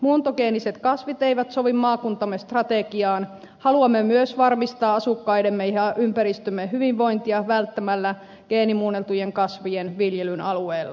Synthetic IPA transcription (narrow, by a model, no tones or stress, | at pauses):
muːnt̪okeːniset̪kɑsʋit̪eiʋæt̪soʋimːɑːkunt̪ɑmːest̪rɑt̪ekiɑːn | hɑluɑmːemyøsʋɑrmist̪ɑːɑsukːɑidemːejhɑʔympæɾist̪ymːeɦyʋiʋʋːo̞int̪iɑʋælt̪ːæmælːæ | ɡ̥eːnimuːnelt̪ujeŋkɑsʋujenʋiljelynɑlueːlːɑ